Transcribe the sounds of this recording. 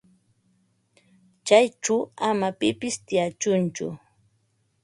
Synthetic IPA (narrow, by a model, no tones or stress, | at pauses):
t͡ʃajʈ͡ʂaamapɪpɪst̪ɪjat͡ʃʊnt͡ʃʊ̰